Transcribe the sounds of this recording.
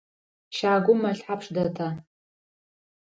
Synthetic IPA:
ʃaːɡʷʊmaɬħapʰʂdatʰa

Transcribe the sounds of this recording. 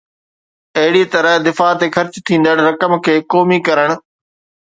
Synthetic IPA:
ɐɦɪɽit̪ɐɾəɦd̪ɪfaːt̪exɐɾt͡ɕt̪ʰĩːnd̪əɽɾɐkəmkʰeːkoːmikɐɾəɽ̃̆

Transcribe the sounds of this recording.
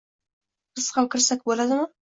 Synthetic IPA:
qʰɨsqɑwkʲʰɪɾsak̚ʲbolad̪ɪmɪ

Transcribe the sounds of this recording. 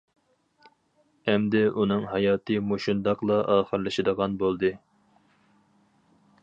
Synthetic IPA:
ɛmd̪ɪunɨŋɦɑjɑːt̪ʰɨmoʃund̪ɑqlˠɑʔɑːχəɾlˠɨʃɨd̪əʁɑnbolˠd̪ɨ

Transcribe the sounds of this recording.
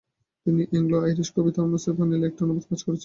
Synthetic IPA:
t̪iniʔeŋloajɾiʃkobit̪ʰamoseɾbʱanilek̚ʈonobokad͡ʑkoɾet͡ɕʰe

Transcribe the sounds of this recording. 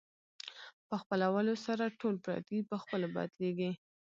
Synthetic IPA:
pəxpəlawəlosaɾaʈolpɾɑ̰t̪ipəxpəlobɑ̰d̪leɡi

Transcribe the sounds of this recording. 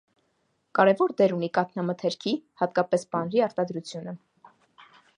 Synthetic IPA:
kɑɾɛvɔɾd̪ɛɾunikɑt̪ʰnɑmət̪ʰɛɾkʰihɑt̪kɑpɛsbɑnɾiɑɾt̪ɑd̪ɾut͡sʰjunə

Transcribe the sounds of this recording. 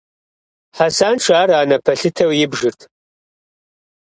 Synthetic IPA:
ħasaːnʈ͡ʂʰaːraːnɐpʰɐɬɨtʰɐwjɪbʐɨrtʰ

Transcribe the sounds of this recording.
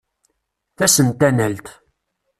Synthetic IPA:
θæsənt̪ænælt̪

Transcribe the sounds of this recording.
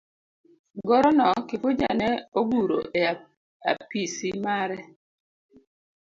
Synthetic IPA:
ɡɔɾɔnɔkɪfʊd͡ʒa̰nɛoɡuɾo̰ʔe | a̰pisimaɾɛ

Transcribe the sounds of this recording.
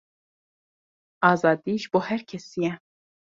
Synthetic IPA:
ɑːzɑːd̪iːʒboːhɛɾkʲʰɛsijɛ

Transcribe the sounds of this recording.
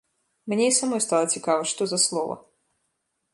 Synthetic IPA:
mnʲeisamɔjst̪alˠɐt͡sʲikavɐʂt̪ɔzɐslˠɔvɐ̰

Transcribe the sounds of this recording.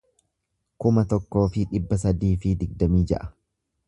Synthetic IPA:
kʊmɐt̪ɔkːo̞ːfɪᶑɪbːɐs̬ɐd̪iːfɪd̪ɪɡd̪ɐmiːd͡ʒɐ̰ʔɐ̥

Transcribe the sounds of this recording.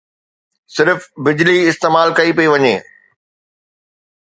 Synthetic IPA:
sɪɾfbɪd͡ʑliɪst̪eːmaːlkɐipɐiʋɐɲeː

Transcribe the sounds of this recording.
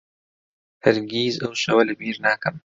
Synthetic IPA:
hɐɾɡʲiːzɐwʃɐwɐlɐbiːɾnaːkɐm

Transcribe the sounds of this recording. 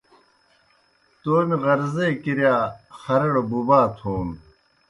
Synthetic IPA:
t̪oːmiʁɐɾzeːkiɾjaːxɐɾɐɽobubaːt̪ʰhuːm

